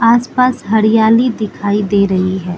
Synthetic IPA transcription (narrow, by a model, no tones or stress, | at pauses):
aːspaːsɦɐɾijaːlid̪ɪkʰaːid̪eːɾɐɦiɦɛː